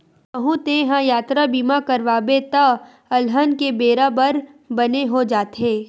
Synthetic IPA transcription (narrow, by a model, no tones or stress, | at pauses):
ʋɐɦũt̪ẽɦãjaːt̪ɾabiːmakɐɾʋaːbet̪a | ɐlɦənkebeːɾabəɾ | bɐneɦod͡ʒaːt̪ɦeː